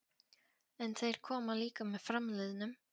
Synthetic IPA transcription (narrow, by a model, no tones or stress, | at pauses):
ɛnθeɪɾkʰɔmaliːkamɛfɾamlɪːðnʏ